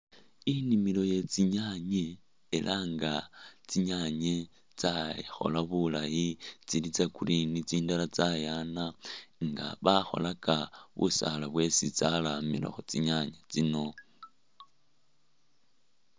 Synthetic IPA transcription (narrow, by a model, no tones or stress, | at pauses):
inimilo̞jet͡siɲaɲeː | lʔaŋɡat͡siɲaɲe | t͡saxo̞̰laβulajit͡silit͡sakurinit͡siːndalat͡sajanaŋɡa̰βaxo̞̰lakaβṵsa̰laβwe̞sit͡salamḭla̰xut͡siɲaɲet͡sino̞